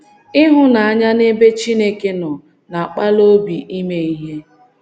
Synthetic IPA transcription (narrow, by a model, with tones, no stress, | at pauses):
ɪ˦ɦʊ˦na˨a˨ɲa˦ne˦be˦t͡ʃi˦ne˦ke˦nɔ˨ | na˨a˨k͡pa˦lo˦bi˨ʔi˦me˦i˦ɦe˦